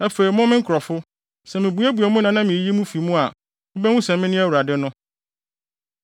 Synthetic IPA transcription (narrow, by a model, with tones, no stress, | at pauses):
æ˦fe˨i˨mʊ̃˦mɪ̃˦ŋ̩kʰɾɔ˨fʊ˦ | sɛ˨mɪ̃˨bu˨˦æ˦bu˨ɛ˨mũ˦nã˨˦nã˦mĩ˨ji˦mũ˦fi˨mũ˦a˨ | ʊ˦bɛ˦wũ˦sɛ̃˨mːɪ̃˦nɪ̃˦æ˦wu˨a˨dɪ˦nʊ̃˦